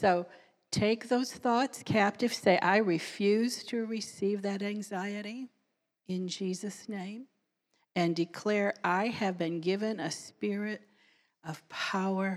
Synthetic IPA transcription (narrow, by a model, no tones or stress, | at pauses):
soʊ | tʰeɪk̚ðoʊz̥θɔtskʰæp̚tɨv̥seɪʔaɪɹɨfjʉz̥tʰɨɹɨsivðɨɾæ̃ŋzaɪɨɾi | ɪ̃nd͡ʒizɨsnẽɪ̃m | ɨ̃ndɨkʰl̥ɛɹʔaɪɨvbɨ̃nɡɪvɨ̃nɨspɪɹɪɾ | ʌv̥pʰaʊə˞